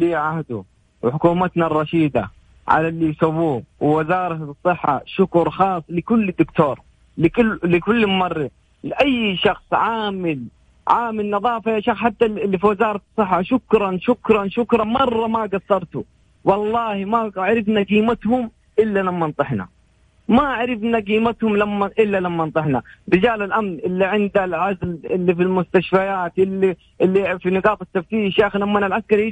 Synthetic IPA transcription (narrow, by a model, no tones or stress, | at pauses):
liːʕahd̪ʊ | wħʊkuːmat̪narˤːɑʃiːd̪a̰ | ʕa̰lalːijsawːuːwɪwɪzɑːɾˤɑsˤːɨħːa̰ʃʊkʊɾˤxɑːsˤːlɪkʊlːɪd̪ːʊkt̪oːɾˤ | lɪkʊlɪkʊlːmmɑrːi | lɪʔajːʃɑxsˤʕaːmɪl | ʕaːmɪlnɑðˤɑːfajaʃɑxħat̪ːalfiwɪzɑːɾˤɑ̥sˤːɨħːaʃʊkɾˤɑnʃʊkɾˤɑnʃʊkɾˤɑnmɑrˤːɑmaɡasːɑɾˤt̪ʊ | wɑlˤːɑːhimaʕaɾɪfnaɡiːmat̪hʊm | ʔɪlːalamːant̪ˤɨħna̰ | maʕaɾɪfnaɡiːmat̪hʊmlamːaʔɪlːalamːant̪ˤɨħnaɾɪd͡ʒaːlɪlʔamnʔɪlːiʕɪnd̪alʕazlɪlːifilmʊst̪aʃfajaːt̪ʔɪlːi | ʔɪlːifinɪɡɑːt̪ˤɪt̪ːaft̪iːʃjaːxlamːɪnalʕaskɑɾˤ